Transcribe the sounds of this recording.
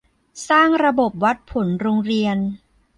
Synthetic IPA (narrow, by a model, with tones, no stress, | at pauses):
saː˥˩ŋɾa˧bo˨˩p̚wa˦˥t̪̚pʰo˩˦nɾoː˧ŋɾi˧ən